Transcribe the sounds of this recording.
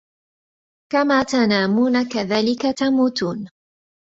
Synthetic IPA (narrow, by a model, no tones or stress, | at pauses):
kamaːt̪anaːmuːnakaðaːlɪkat̪amuːt̪uːn